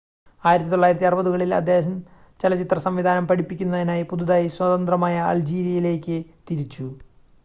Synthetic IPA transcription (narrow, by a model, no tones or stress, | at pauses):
aːjiɾɐt̪ːit̪o̞ːaːjiɾɐt̪ːiɐrubɐðuɣɐɭilɐ̰d̪ʱjeːɦɐm | t͡ɕelɐt͡ɕit̪rɐsɐmʋid̪ʱaːnɐmpɐɽipːikʲːunːɐðinaːjipuðuðaːjiswɐt̪ɐnd̪rɐmaːjɐɐ̰ld͡ʑiːɾjɐjile̞ːkʲːɨt̪iɾit͡ɕːu